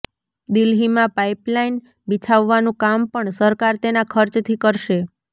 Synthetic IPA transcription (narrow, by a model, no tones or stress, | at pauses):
d̪ɪlɦimãpaiplain | bit͡ʃʰaʋːanũkampəɳsəɾkaɾt̪enakʰəɾt͡ʃt̪ʰikəɾʃe